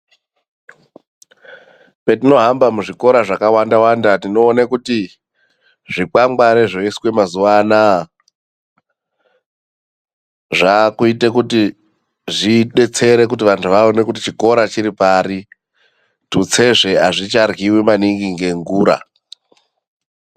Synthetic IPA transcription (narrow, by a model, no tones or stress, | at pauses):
petino̞ɦambamuʐiko̞ɾaʐakawandawandatino̞ːnekuti | ʐik͡paŋɡ͡baɾeʐoiswe̞mazuʋana | ʐakuite̞kuti | ʐiɗe̞t͡se̞ɾe̞kutiʋantʰuʋaone̞kut̬it͡ʃiko̞ɾat͡ʃiɾipaɾi | tut͡se̞ʐe̞aʐit͡ʃarɣiwimaniŋɡiŋɡe̞ŋɡuːɾa̰